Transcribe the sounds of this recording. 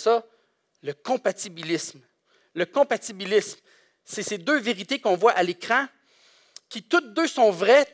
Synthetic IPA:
sʌ | ləkɔ̃pat̪ibilɪsm | ləkɔ̃pat̪ibilism | sesed̪øveʁit̪ekɔ̃vwaʔalekʁɑ̃ | kʲit̪ʊt̪̚d̪øsɔ̃vʁɛ

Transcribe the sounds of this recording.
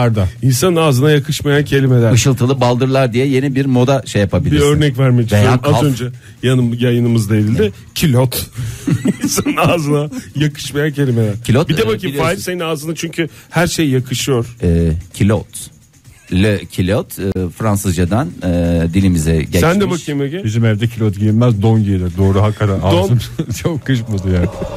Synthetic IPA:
aɾd̪ainsanɯnaːzɯnajakʰɯʃmajancʰe̞lʲimed̪æɾɯʃɯlˠt̪ʰɯlˠɯbalˠd̪ɯɾlˠaɾd̪ijɛje̞nibiɾmo̞d̪aʃejːapʰabilʲiiɾøɾnɛcvæɾmed͡ʒvejaːkazaø̞nd͡ʒɛ | janɯmjajɯnɯmɯzd̪aeɾilʲd̪ɪ | cʰilʲot̪ | insanɯnaːzɯnajakʰɯ̥ʃmajancʰe̞lʲimed̪æɾcʰilʲot̪biebaiaːjifseninaːzɯnat͡ʃʰyɲcʰyhæɾʃejːakʰɯʃɯjo̞ɾ̥ɛːcʰilʲot̪ | lʲɛcʰilʲot̪ɯfɾansɯzd͡ʒad̪anɛd̪ilʲimizɛɟɛsænd̪ɛbakʰɯjɯmeɟɛbizimɛvd̪ɛcʰilʲot̪̚ɟilʲinmæzd̪onɟielʲɛd̪o̞ːɾuɦakʰaɾaad̪ont͡ʃʰokkːɯʃkmad̪ɯjaːnɪ

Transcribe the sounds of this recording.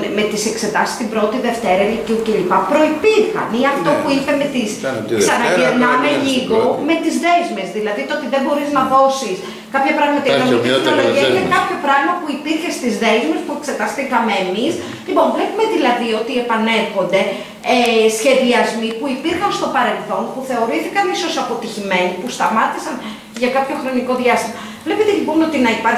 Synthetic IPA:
me̞t̪ise̞kse̞t̪ɐsi̥st̪imbɾo̞t̪iðe̞ft̪e̞ɾɐeliciuce̞ʎipɐpɾo̞ipiɾxɐ̰niɐft̪o̞puipeme̞t̪iskssɐnɐveɾnɐmeʎiɣo̞me̞t̪izðe̞zmezðilɐðit̪oot̪iðebo̞ɾiznɐðo̞sis | kɐpçɐpɾɐɣmɐt̪iknolit̪it̪inoloʝiɐinekɐpço̞pɾɐɣmɐpuipiɾçe̞st̪izðe̞zmespue̞kse̞t̪ɐst̪ikɐmemis | lipo̞ɱvle̞pume̞ðilɐðio̞t̪ie̞pɐne̞lxo̞nd̪e̞ | esçe̞ðiɐzmipuipiɾxɐnst̪o̞pɐɾe̞lθo̞npuθe̞o̞ɾiθikɐniso̞sɐpo̞t̪içime̞nipust̪ɐmɐt̪isɐn | ʝɐkɐpço̞xɾo̞niko̞ðʝɐst̪imɐ | vle̞pet̪elipo̞no̞t̪inɐipɐɾ

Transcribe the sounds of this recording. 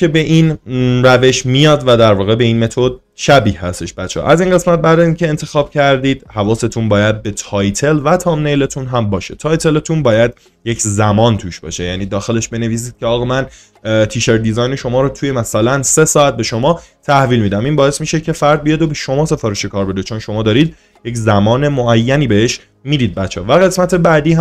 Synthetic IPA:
cʰe̞be̞ʔiːnræve̞ʃmijɒːd̪væd̪æɾvɒːɣe̞be̞iːnme̞t̪ʰod̪̚ | ʃæbiːhhæst̪e̞ʃbæt̪t͡ʃʰːḛʔæziːnɢe̞smæt̪̚bæɾd̪æziːncʰe̞ent̪ʰe̞xɒːb̥cʰæɾd̪iːd̪̥hævɒːse̞t̪ʰunbɒːjæd̪̚be̞t̪ʰɒːjt̪ʰe̞lvæt̪ʰɒːmnejlet̪ʰunɦæmbɒːʃe̞t̪ʰɒːjt̪ʰe̞let̪ʰunbɒːjæd̪ | je̞cʰzæmɒːnt̪ʰuːʃbɒ̰ːʃe̞jæ̰ːniːd̪ɒːxe̞le̞ʃbe̞ne̞viːs̬iːd̪̚cʰeɒːɣɒmæn | t̪ʰiːʃeɾd̪izɒːjne̞ʃo̞mɒːɾot̪ʰuje̞mæsælænse̞sɒːæt̪̚be̞ʃo̞mɒːt̪ʰæhviːlmiːd̪æmiːnbɒːesmiːʃe̞cʰe̞fæɾd̪̚bijɒd̪obe̞ʃo̞mɒːse̞fɒːɾeʃekʰɒːɾbe̞d̪et͡ʃʰo̞nʃo̞mɒːd̪ɒːɾiːd̪̚ | je̞czæmɒːne̞moæjːæniːbeheʃ | miːd̪iːd̪̚bætt͡ʃʰːɛ̰ːvæɣe̞smæt̪ʰe̞bæd̪iːɦæ

